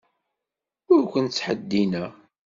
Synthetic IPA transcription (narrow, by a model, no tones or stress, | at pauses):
ʊɾkʷənt͡sːħəd̪ːinæ